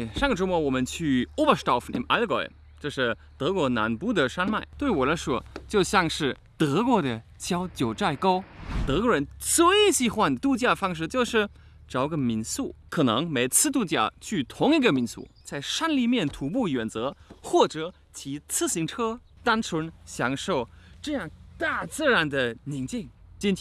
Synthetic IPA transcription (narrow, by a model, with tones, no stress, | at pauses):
ʂɑ˥˩ŋɡə˩ʈ͡ʂu˧˥mwɔ˧˥wɔ˨˩mə˦nt͡ɕʰy˥˩o˥bə˥˩st̪ɑ˥˩fnḭ˧˥mʔa˧˥ɡɔ̰˧˩ | t͡ɕo˥˧ʂɻ̩˥˩ | t̪ɤ˧˥kwɔ˧˥na̰˧˥npu˥d̪ə˨˩ʂa˥nma˥˩ɪt̪we˥˩ɪwɔ˨˩la˧˥ɪʂwɔ˥t͡ɕjo˥˧ʊɕjɑ˥˧ŋʂɻ̩˥˩ | t̪ɤ˧˥kwɔ˧˥d̪ə˨ | t͡ɕʰjɑ˥ʊt͡ɕjo˨˩ʊʈ͡ʂa˥˩ɪko˥ʊt̪ɤ˧˥kwɔ˧˥ɻə˧˥nt͡swe˥ɪɕi˥xwa˥˧nd̪ə˩t̪u˥˧t͡ɕja˥˩fɑ˥ŋʂ̬ɻ̩˥˧t͡ɕjo˥˧ʊʂɻ̩˥˩ | ʈ͡ʂɑ˧˥ʊ˧ɡə˧mi˧˥nsṵ˥˩kʰɤ˨˩nɤ˧˥ŋme˧˥ɪt͡sʰɹ̩˥˧t̪̬u˥˧t͡ɕja̰˥˩t͡ɕʰy˥˩t̪ʰʊ˧˥ŋi˧˥ɡə˧mi˧˥nsṵ˥˩t͡sa˥˩ɪʂa˥nli˥˧mjɛ˥˩nt̪ʰu˧˥pu˥˩jɥɛ˨˩nt͡sɤ˧˥xwɔ˥˩ʈ͡ʂɤ˧˩˥ | t͡ɕʰi˧˥t͡sʰɹ̩˥ɕi˧˥ŋʈ͡ʂʰɤ˥ | t̪a˥nt͡sʰwə˧˥nɕjɑ˧˥ŋʂo˥˩ʊʈ͡ʂɤ˥˧jɑ˥˩ŋt̪a˥˩t͡sɹ̩˥˩ɻa˧˥nd̪ə˧ni˧˥ŋt͡ɕi˥˩ŋt͡ɕi˥nʰ